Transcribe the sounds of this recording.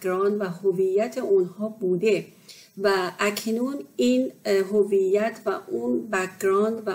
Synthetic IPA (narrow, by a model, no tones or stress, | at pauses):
ɡɾɒːnd̪væhovijːæt̪ʰeunhɒːbuːd̪e̞væʔæcʰnuːniːnɦovijːæt̪ʰvæʔunbækʰɾɒːnd̪væ